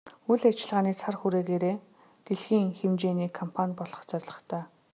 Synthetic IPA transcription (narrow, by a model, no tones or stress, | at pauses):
uɮat͡ɕɪ̆ɮʁaːniːt͡sʰarxuɾeːɣeːɾeː | t̪eɮxiːŋxemt͡ɕeːniːkʰːɔmpʰanʲpɔɮɞ̥̆χt͡sœrʲɮə̆χt̪ʰœː